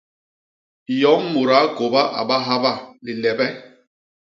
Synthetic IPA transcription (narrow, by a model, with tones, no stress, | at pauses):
jɔ˨˦m˦mu˨ɾa˨˦ko˨ba˦ʔa̰˨ba˦ɦa˦ba˦˨li˨lɛ˨bɛ˦